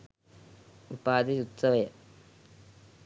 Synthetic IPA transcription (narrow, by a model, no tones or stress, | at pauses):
upaːd̪iut̪sɐʋɐjɐ